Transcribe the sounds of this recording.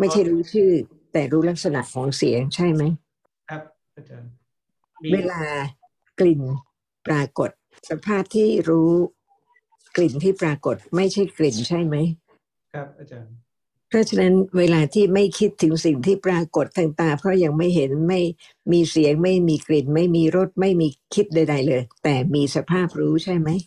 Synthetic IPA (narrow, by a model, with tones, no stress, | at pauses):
ma˥˩jt͡ɕʰa˥˩jɾuː˦˥t͡ɕʰɯː˥˩ | t̪ɛː˨˩ɾuː˦˥la˦˥k̚sa˧na̰˨˩ʔkʰɔː˩˦ŋsi˩˦əŋt͡ɕʰa˥˩jma˦˥j | weː˧laː˧ | kli˨˩n | pɾaː˧ko˨˩t̪̚ | sa˧pʰaː˥˩p̚t̪ʰiː˥˩ɾuː˦˥ | kli˨˩nt̪ʰiː˥˩pɾaː˧ko˨˩t̪̚ma˥˩jt͡ɕʰa˥˩jkli˨˩nt͡ɕʰa˥˩jma˦˥j | pʰɾɔ˦˥t͡ɕʰa˧na˦˥nweː˧laː˧t̪ʰiː˥˩ma˥˩jkʰi˦˥t̪ʰːɯ˩˦ŋsi˨˩ŋt̪ʰiː˥˩pɾaː˧ko˨˩t̪ʰːaː˧ŋt̪aː˧˩pʰɾɔ˦˥ja˧ŋma˥˩jɦe˩˦nma˥˩j | miː˧si˩˦əŋma˥˩jmiː˧kli˨˩nma˥˩jmiː˧ɾo˦˥˩t̪̚ma˥˩jmiː˧kʰi˦˥t̪̚da˧jda˧jlɤː˧jt̪ɛː˨˩miː˧sa˧pʰaː˥˩p̚ɾuː˦˥t͡ɕʰa˥˩jma˦˥j